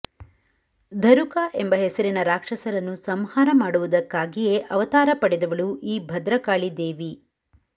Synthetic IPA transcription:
d̪ʱɐɾukaːʔembɐɦesɐɾinɐɾaːkʂɐsɐɾɐnːusɐmhaːɾɐmaːɽuʋud̪ɐkːaːɡije̞ʔɐʋɐt̪aːɾɐpɐɽɛd̪ɐʋɐɭuiːbʱɐd̪ɾɐkaːɭid̪e̞ːʋi

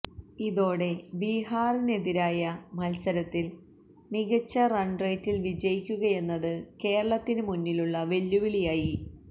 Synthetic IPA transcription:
iðo̞ːɽe̞biɦaːrine̞ðiɾaːjɐmɐlsɐɾɐt̪ːil | miɣɐt͡ɕːɐrɐɳɖrejtːilʋid͡ʑɐjikʲːuɣɐje̞nːɐðɨke̞ːrɐɭɐt̪ːinɨmunːiluɭːɐʋe̞lːuʋilijaːji

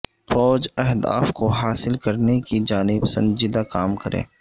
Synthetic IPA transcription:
fɔːd͡ʒɛɦd̪a̰ːfkoɦaːsɪlkɐɾnekid͡ʒaːnɪbsɐ̰̃nd͡ʒɪd̪akaːmkɐɾḛ̃ː

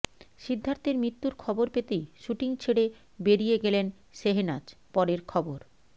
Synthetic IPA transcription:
ʃid̪ʱːant̪eɾmit̪ːuɾkʰɔboɾpet̪ejʃuʈiŋt͡ɕʰeɽe | beɾijeɡelen | ʃeɦenad͡ʑpɔɾeɾkʰɔboɾ

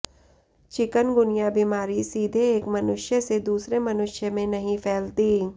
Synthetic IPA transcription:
t͡ʃɪkənɡʊnijabimaːɾisiːd̪ʱeeːkmɐnʊʃjəsed̪uːsɾemɐnʊʃjəmẽnɐɦĩpʰɛːlt̪i

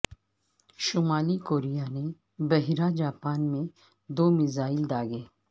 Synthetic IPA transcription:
ʃʊmaːlikoːɾijane | bɐɦiɾad͡ʒaːpaːnmẽ | d̪oːmɪzaːɪld̪aːɡeː

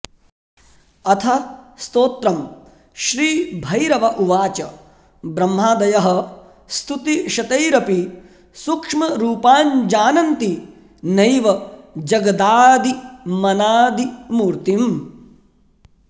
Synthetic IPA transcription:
ɐt̪ʰɐst̪oːt̪ɾɐm | ʃɾiːbʱɐjɾɐʋɐʔuʋaːt͡ʃɐ | bɾɐmːaːd̪ɐjɐɦɐ | st̪ʰut̪iʃɐt̪ɐjɾɐpi | sukʂmɐɾuːpaːɲd͡ʒaːnɐnt̪i | nɐjʋɐd͡ʒɐɡɐd̪aːd̪imɐnaːd̪imuːɾt̪im

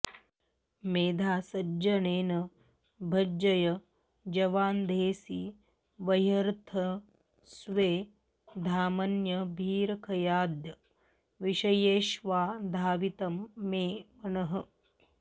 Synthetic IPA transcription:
meːd̪ʱaːsɐd͡ʒɐneːnɐ | bʱɐd͡ʒɐjɐ | d͡ʒɐʋaːnd̪eːsi | ʋɐjɐɾt̪ʰɐ | sʋeː | d̪ʱaːmɐnjɐbʱiːɾɐkʰɐjaːd̪jɐ | ʋiʃɐjeːʃʋaːd̪ʱaːʋit̪ɐmːeːʋɐnɐɦɐ

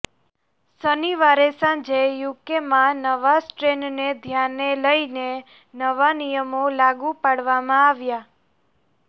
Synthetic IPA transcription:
səniʋaɾesãd͡ʒejukemãnəʋasʈɾenned̪ʱjanːeləine | nəʋanijəmolaɡupaɽʋamãaʋja

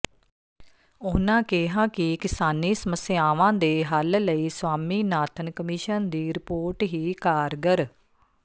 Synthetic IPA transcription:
ʊːnãːkɪɦãːkɪkɪsaːniːsəməsɪaːʋãːd̪eːɦəlləiːsʋaːmiːnaːt̪ʰənkəmiːʃənd̪iːɾɪpoːɾʈɦiːkaːɾɡəɾ

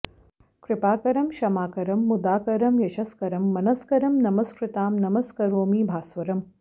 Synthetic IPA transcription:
kɾɪpaːkɐɾɐmʃɐmaːkɐɾɐmːud̪aːkɐɾɐmjɐʃɐskɐɾɐmːɐnɐskɐɾɐmnɐmɐskɾɪt̪aːmnɐmɐskɐɾoːmiːbʱaːsʋɐɾɐm

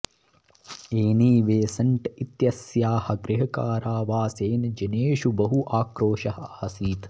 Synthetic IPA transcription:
eːniːʋeːsɐɳʈit̪jɐsjaːhɐ̆ɡɾɪɦɐkaːɾaːʋaːseːnd͡ʒɐneːʃubɐɦuʔaːkɾoːʃɐɦɐɐhɐsiːt̪

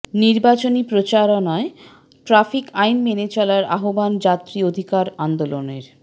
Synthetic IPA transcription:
niɾbat͡ɕonipɾot͡ɕaɾonae | ʈɾafikajnmenet͡ɕɔlaɾa̰ɦoband͡ʑat̪ːɾiod̪ʱikaɾand̪oloneɾ

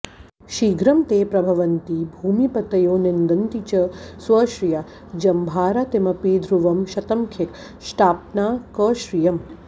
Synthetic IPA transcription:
ʃiːɡʱɾɐmt̪eːpɾɐbʱɐʋɐnt̪ibʱuːmipɐt̪ɐjoːnend̪ɐnt̪it͡ʃɐsʋɐʃɾija | d͡ʒɐmbʱaːɾat̪emɐpiːd̪ʱɾuʋɐmʃɐt̪ɐmkʰek | ʃʈaːp̚naːkəʃɾijɐm

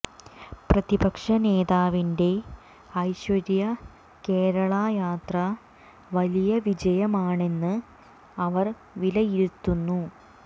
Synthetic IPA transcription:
prɐðibɐkʂɐne̞ːðaːʋinde̞ | ɐjɕʋɐɾjɐ | ke̞ːɾɐɭajaːt̪rɐ | ʋɐlijɐʋid͡ʑɐjɐmaːɳe̞nːɨ | ɐʋɐr | ʋilɐjiɾut̪ːunːu

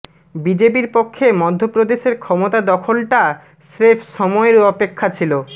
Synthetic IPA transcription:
bid͡ʑepiɾpokʰːemɔd̪ʱːopɾod̪eʃeɾkʰɔmot̪ad̪ɔkʰolʈa | sɾefʃɔmɔeɾɔpekʰːat͡ɕʰilo

